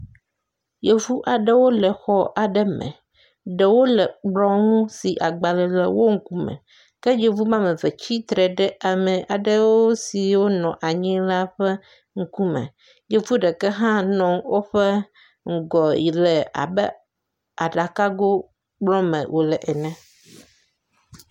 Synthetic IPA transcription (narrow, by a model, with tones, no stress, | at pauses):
je˨vu˦ʔa˨ɖɛ˦wo˦lɛ˨xɔ˦ʔa˨ɖɛ˦mɛ̰̃˨ | ɖɛ˨wo˦lɛ˨ɡ͡blɔ̃˦ŋũ˦si˨ʔa˨ɡ͡ba˨lɛ˨le˨wo˦ŋ̩˦ku˦mɛ̰̃˨ | kɛ˦je˨vu˦mã˦mẽ˨ve˨t͡ɕi˦t̪ɾɛ˨ɖɛ˦ʔa˨mɛ̃˨ʔa˨ɖə˦wo˦si˨wo˦nɔ̃˨ʔa˨ɲĩ˦la˦ɸɛ˦ | ŋ̩˦ku˦mɛ̰̃˨ | je˦vu˦ɖɛ˨kɛ˦ɦã˦nɔ̃˨ŋwʔo˦ɸɛ˦ | ŋ̩˦˨ɡɔ˨ji˨lɛ˨a̰˨bɛ˦ | a˨ɖa˨ka˦ɡo˦ | ɡ͡blɔ̃˦mɛ̰̃˨wʔo˨lɛ˨ʔɛ˨nɛ̃˨